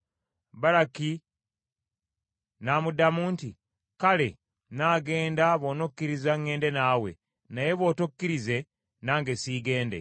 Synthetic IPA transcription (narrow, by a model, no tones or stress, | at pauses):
βaɾaki | namudamuːnti | kale̞ | naːɡe̞ːndaβo̞ːnokːiɾizaŋːe̞ːnde̞naːwe̞̰ | naje̞βo̞ːtokːiɾize̞ | naːŋɡe̞siːɡe̞ːnde̞̰